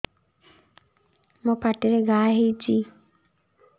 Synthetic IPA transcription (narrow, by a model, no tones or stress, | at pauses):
mopaʈiɾeɡaːɦejt͡ʃi